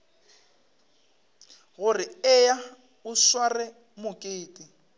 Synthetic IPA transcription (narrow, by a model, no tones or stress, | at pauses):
ɣʊrɪɛja | ʊʃwarɛ | mʊkʼeːtʼi